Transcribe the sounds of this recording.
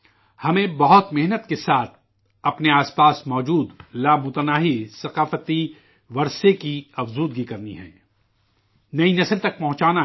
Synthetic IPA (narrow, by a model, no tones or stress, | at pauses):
hɐmẽbɐɦʊt̪mɪɦnət̪kesaːt̪̚ʰ | ɐpneaːspaːsmɔːd͡ʒuːd̪laːmʊt̪ənaːɦisɐqaːfət̪i | ʋɐɾsekiɐfzuːd̪̚ɡikɐɾnḭɦɛ̰̃ː | nɐinɐslt̪ɐk̚pɐɦʊ̃t͡ʃaːna